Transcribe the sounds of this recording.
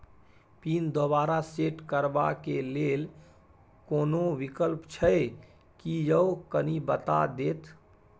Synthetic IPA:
pind̪oβaɾaseʈkəɾba̰kelel | koːnoʋikəlpt͡ʃʰəj | kijəkənibət̪a̰d̪et̪

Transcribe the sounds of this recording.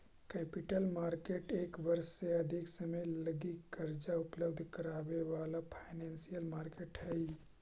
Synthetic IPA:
keːpiʈəlmaːɾkeʈeːkʋəɾsːeəd̪ʱiksəməjləɡikəɾd͡ʒaʊpləbd̪ʱkəɾaːbeʋalapʰaɪneːnsijəlmaːɾkeʈɦəj

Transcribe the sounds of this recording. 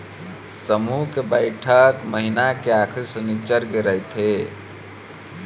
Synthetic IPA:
səmukebəɪʈʰəkməɦinakeakʰiɾsənit͡ʃəɾɡeɾəjt̪ɦe

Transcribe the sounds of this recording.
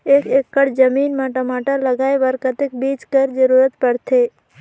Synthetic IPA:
eːkekːəɽd͡ʒəmiːnmaʈəmaːʈəɾləɡaːeʋəɾkət̪ek̚biːt͡ʃkəɾd͡ʒəɾuːɾət̪pəɽt̪ʰe

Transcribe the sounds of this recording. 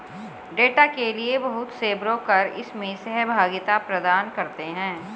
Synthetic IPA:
ɖeːʈakeliebɐɦʊt̪seːbɾõkɐɾɪ̰smẽsɛɦbʱaːɡɪt̪apɾɐd̪aːnkɐɾt̪eɦɛ̃ː

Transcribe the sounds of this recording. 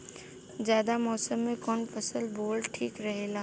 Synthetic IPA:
zjaːd̪amɔːsəmːẽkɔːnfɐsəlboːlʈʰiːkɾɐɦeːlaː

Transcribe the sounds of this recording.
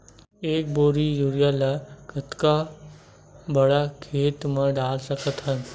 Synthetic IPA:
eːk̚boːɾijuɾjalakət̪ka | bɐɽakʰeːt̪mə̃ɖaːlsəkət̪ɦə̃n

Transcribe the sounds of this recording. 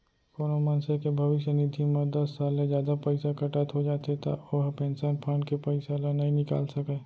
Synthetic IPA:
koːnomɐ̃nsekebʱɐʋɪʃjənɪd̪ʱimɐd̪ɐsːaːlːẽd͡ʒjaːd̪apɐɪsakɐʈət̪ɦod͡ʒaːt̪et̪a̰oɦpɛ̃ːnsaːnpʰaːnkepɐɪsalanɐɦĩnɪka̰ːlsɐkeː

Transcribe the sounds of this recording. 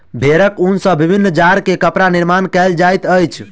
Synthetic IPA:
bʱeɾəkunsə̃bibʱinːd͡ʒaɾkekəpɾaniɾmankɛld͡ʒajt̪əjt͡ʃʰ

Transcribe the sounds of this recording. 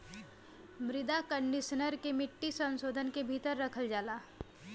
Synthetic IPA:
mɾɪd̪akə̃ɳɖɪʃənəɾkemɪʈːisə̃nsoːd̪ʱənkebʱit̪əɾːɐkʰəld͡ʒaːlaː

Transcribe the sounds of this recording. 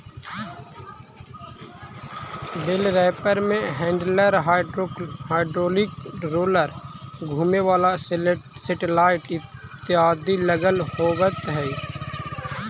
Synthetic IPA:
b̪ɪlɾɛːpəɾmẽɦɛ̃ːɳɖləɾɦahaːɪɖɾoːlɪkɾoːləɾɡʱuːmeʋaːlassɪʈɪlaːɪʈɪt̪ːɪaːd̪iləɡəlhoːbət̪ɦɛː

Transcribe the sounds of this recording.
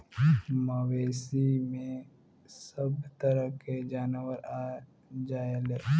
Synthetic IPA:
məʋeːsimẽ | səbt̪əɾəked͡ʒaːnʋəɾaː | d͡ʒaːeleː

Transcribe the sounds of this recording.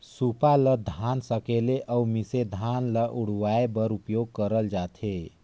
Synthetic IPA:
supaləd̪ʱansəkeleʔʔaumised̪ʱanləʔuɽ̤waebəɾupjoɡ̚kəɾəld͡ʒat̪ʰe

